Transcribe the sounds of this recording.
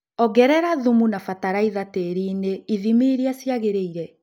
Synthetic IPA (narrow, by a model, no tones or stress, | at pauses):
ɔɡɛɾɛɾaðumunafataɾaiðateɾiːneiðimiɾiasjaɣeɾeiɾɛ